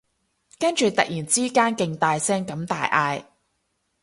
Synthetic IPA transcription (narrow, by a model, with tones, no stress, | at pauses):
kɐ˥nt͡ʃyː˨t̪ɐ˨k̚jiː˨˩nt͡siː˥kaː˥nkɪ˨˧ŋt̪aː˧jsɛː˥ŋkɐ˨˥mt̪a̰ː˨˧jʔaː˧j